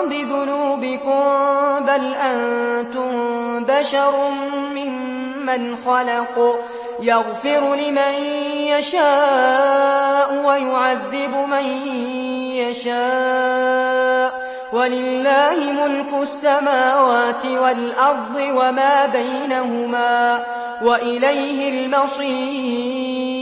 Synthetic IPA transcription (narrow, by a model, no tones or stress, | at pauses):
bɪðʊnuːbɪkʊmbalʔant̪ʊmbaʃɑɾˤmɪmː | anxɑlɑq | jɑɣfɪɾlɪmanjaʃaː | ʔʊwajʊʕaðːɪbʊman | jaʃaː | ʔ | walɪlːaːhɪmʊlkʊsːamaːwaːt̪ɪwalʔɑɾˤd̪ˤɨwamaːbajnaɦʊmaː | waʔɪlajhɪlmɑsˤiː